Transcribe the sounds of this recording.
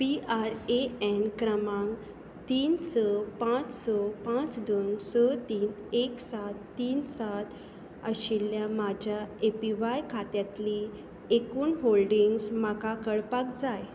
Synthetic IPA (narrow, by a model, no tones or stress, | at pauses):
piaɾeɛnkɾəmãŋɡ | t̪iːnsəpãt͡ssɔpãt͡sd̪onsɔt̪iːn | eksat̪ːiːnsat̪ | əɕilːjamad͡ʑʱjaepiʋajkʰat̪jat̪li | ekuːnɦolɖiŋɡsmakakəɭpakd͡zaj